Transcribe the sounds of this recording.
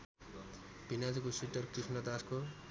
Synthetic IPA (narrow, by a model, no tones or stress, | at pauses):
b̥inad͡zikosiʈʌrkrisnʌd̪asko